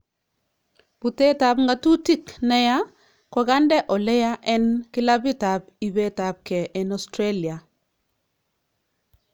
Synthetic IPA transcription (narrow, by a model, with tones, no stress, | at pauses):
b̥u˨te˦ta˨bŋɡa˦tu˦ti˦knɛ˦ja˦ | kɔ˨ɡa˦ndɛ˦ʔɔ˨lɛ˦ja˦ʔɛ˦nkɪ˦la˦bɪ˦ta˨b | i˨be˦ta˨b̚kɛ˨ʔɛ˨nɔ˨stɾe˦li˨a˨